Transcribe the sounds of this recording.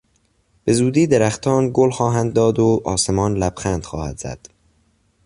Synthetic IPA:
b̥e̞zuːd̪iːd̪eɾæxt̪ʰɒːnɡolxɒːɦænd̪̚ːɒːd̪oʔɒːse̞mɒːnlæb̥xænd̪̥xɒːhæ̰d̪̥z̥æ̰d̪̥

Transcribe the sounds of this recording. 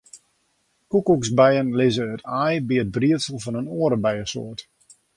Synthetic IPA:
kukuksbɛjənlɪzəətʰajbiət̚briətsəl̩ˠfɔnənoːəɾəbɛjəso̰ət

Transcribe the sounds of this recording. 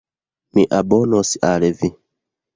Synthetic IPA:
miʔabɔnosi̥ʔalɛvi

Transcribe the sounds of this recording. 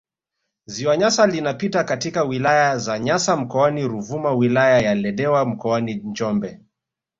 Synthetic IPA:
ziwaɲasalinapitakatikawilajazaɲasam̩kɔaniɾuvumawilajajalɛɗɛwam̩kɔanind͡ʒɔmbɛ

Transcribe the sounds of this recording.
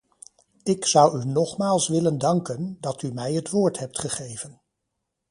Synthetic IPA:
ɪksʌwynɔχmaːlˠsʋɪləndɑŋkəndɑtymɛjɦətʋʊːɹtɦɛp̚tχəχejvən

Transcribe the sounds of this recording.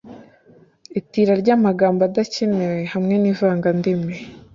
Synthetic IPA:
itiːɾaɾɟaːmaɡaːmbadacinewehamŋe̞nivaːŋɡandime

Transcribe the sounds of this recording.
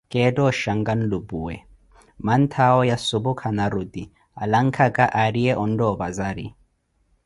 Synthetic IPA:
kʼeːdɔːʃaŋɡanlubuwɛ | mant̪ʰaɔjasʊbʊkʰanaɾʊd̪i | alaŋkʰakʼaʔaɾiɛʔɔndɔːbazaɾḭ

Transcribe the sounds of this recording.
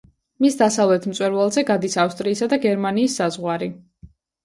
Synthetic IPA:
misd̪asavlɛt̪ʰmt̪sʼwɛɾvalˠzɛɡad̪isafst̪ʼɾiːsad̪aɡɛɾmaniːsːazʁwaɾi

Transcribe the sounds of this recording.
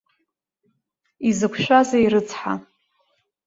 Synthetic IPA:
izɨkʷʰʃᶣʷazaiɾɨt͡sʰħa̰

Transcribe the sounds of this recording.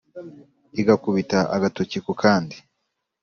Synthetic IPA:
iɡakuβitaʔaɡatocikokʰaːndi

